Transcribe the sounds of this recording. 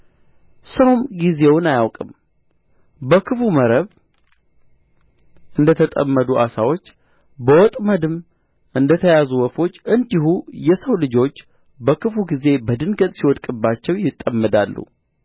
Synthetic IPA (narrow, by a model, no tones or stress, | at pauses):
səwmɡize̞wʊnajawkʼɨm | bəkʰɨfuməɾəβ | ʔɨnd̪ət̪ʰət̪ʼə̰mːəd̪uʔa̰sawo̞t͡ʃː | bəwɔt̪ʼməd̪ɨm | ʔɨnd̪ət̪ʰəjazuwɔfo̞t͡ʃːʔɨnd̪ihujɛsəwlɨd͡ʒo̞t͡ʃː | bəkʰɨfuɡize̞bəd̪ɨnɡət̪ʼsiwɔd̪kʼɨbːat͡ʃːɛwjɪt̪ʼːəmːəd̪alːṵ